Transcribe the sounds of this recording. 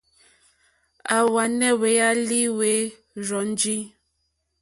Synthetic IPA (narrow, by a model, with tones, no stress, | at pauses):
a˨wa˨nɛ˦we˨˦a˦li˦we˨˦ | ɾɔ˨˦n˦d͡ʒi˦